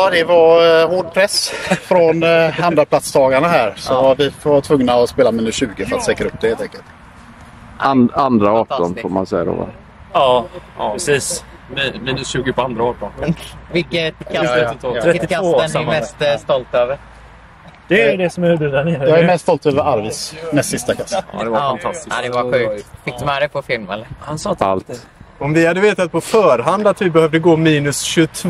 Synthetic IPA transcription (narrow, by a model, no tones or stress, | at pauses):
d̪ɛvahoːɖpʰɾɛsfɾɔnhand̪ɾapʰlat̪sd̪ɑːɡaɳaɦæːɾsɔvavɪft̪ʰvɵŋnaɔspeːlamiːnɵsɕʉ̟ːɡəfœɾat̪sɛːkɾaɵp̚ːd̪ɛhelt̪ɛŋkəlt̪ | and̪ɾaɑːʈɔnfoːɾma̰nsɛjːa̰d̪o̰va̰ | ɑɾɛsiːs | mmiːnɵsɕʉ̟ːɡəpɔand̪ɾaɑːʈɔnvɪkːət̪kʰaɛt̪ʰɔɾɛt̪ːɪkʰavsɛnɛmɛst̪st̪ɔlt̪øːvəɾ | d̪̥ɛɾjd̪ɛsɔmɛb̪ʉd̪anɪjɑːæɾmɛst̪st̪ɔlt̪øːvəɾaɾvismɛssɪst̪akʰasd̪ɛvafant̪ʰast̪ɪad̪ɛvaɧʉ̟ːk̚t̪fɪkt̪əmaɾɛpʰɔfɪlmɛ̰ləɾhansɔːt̪a̰lt̪ | ɔmvɪhad̪ːəveːt̪at̪̚pʰɔfœːɾɦand̪at̪vɪbɛhœːvd̪əɡoːmiːnɵsɕɵt̪ʰ